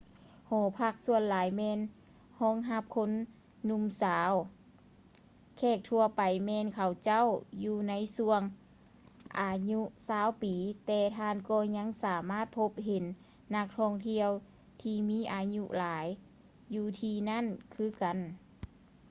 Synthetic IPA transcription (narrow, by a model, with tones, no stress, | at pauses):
hɔː˨˩˦pʰa˧˩k̚su˧ənlaː˨˦jmɛː˧˨n | hɔː˧˥˨ŋɦa˧˩p̚kʰo˧˥nː | u˧˨msaː˨˦w | kʰɛː˧˩k̚t̪ʰu˧əpa˨˩jmɛː˧˨nkʰa˨˩wt͡ɕa˧˥˨wjuː˧na˧˥jsu˧əŋ | ʔaː˨˩ɲu˧˥ʔsaː˧˥˨wpiː˨˦t̪ɛː˧˩t̪ʰaː˧˨nkɔː˧˩ɲa˧˥˨ŋsaː˨˦maː˥˨t̪̚pʰo˧˥p̚ɦe˨˦nː | a˧k̚t̪ʰɔː˧˨ŋt̪ʰi˧əw | t̪ʰiː˧miː˧˥˨ʔaː˨˩ɲu˧˥laː˨˦jː | uː˧t̪ʰiː˧na˧˥˨nkʰɯː˧˥ka˨n